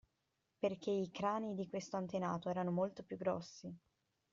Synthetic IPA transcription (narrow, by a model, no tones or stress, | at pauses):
perk̟eikɾaːnid̪ikwest̪oant̪enaːt̪oɛːɾanomolt̪opjuɡːɾɔ̰sːi